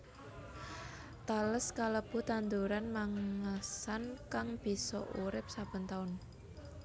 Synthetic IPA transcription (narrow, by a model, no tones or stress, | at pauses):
t̪aləskaləb̥ṳt̪and̪uɾanmaŋasankaŋb̥i̤sɔ̰ʔuɾɪp̚sab̥ə̤nt̪aʊn